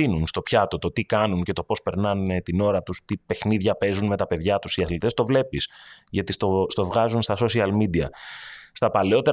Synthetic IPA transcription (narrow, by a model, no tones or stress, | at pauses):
inunst̪o̞pçɐt̪o̞t̪o̞t̪ikɐnunce̞t̪o̞po̞spe̞ɾnɐnt̪ino̞ɾɐt̪ust̪ipe̞xniðʝɐpe̞zunme̞t̪ɐpe̞ðʝɐt̪usiɐθlit̪est̪o̞vle̞pisʝɐt̪ist̪ost̪o̞vɣɐzunst̪ɐso̞siɐlmid̪iɐst̪ɐpɐleot̪e̞